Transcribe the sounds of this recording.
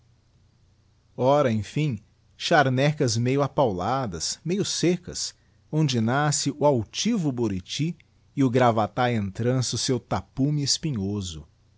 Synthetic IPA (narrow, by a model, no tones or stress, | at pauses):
ɔɾɐẽj̃fĩ | ʃaɾnɛkɐzmejʊapawlad̪ɐsmejʊsekɐ̰s | õnd͡ʒɪnasɪʔʊawt͡ʃivʊboɾit͡ʃi | ɪʊɡɾavat̪aẽnt̪ɾɐ̃sʊsewt̪apumɪɪspiɲozʊ̰